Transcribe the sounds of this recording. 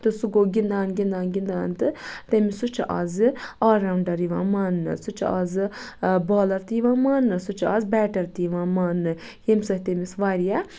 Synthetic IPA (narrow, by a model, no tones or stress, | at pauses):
t̪ɨsuɡoːɡʲind̪aːnɡʲind̪aːnɡʲind̪aːnt̪ɨt̪emisut͡ʃʰɐʔa̰ːzɨaːɾawɳɖɐɾiʋã̰ːmaːnːɨ̰sut͡ʃʰazɨboːlɐɾt̪ijʋãːmaːnːɨsut͡ʃʰaːzbɛːʈɐɾt̪iʋãːmaːnːɨ | hemsɐhʲt̪emisʋaɾija